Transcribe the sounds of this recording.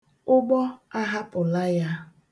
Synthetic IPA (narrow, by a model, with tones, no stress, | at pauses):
ʊ˦ɡ͡bɔ˦a˦ɦa˦pʊ˨la˦ja˦